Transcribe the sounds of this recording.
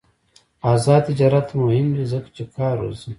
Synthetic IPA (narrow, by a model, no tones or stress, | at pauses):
aːzaːd̪̚t̪id͡ʒaːɾat̪muhimwizəkḁt͡ʃekaːɾo̰zi